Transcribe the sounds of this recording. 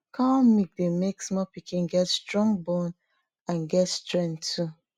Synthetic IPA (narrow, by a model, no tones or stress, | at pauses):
kʰãɔmik̚demeksmɔpikĩnɡɛtstɹɔ̃ŋbõn | ãnɡɛtstɹɛ̃ntʰu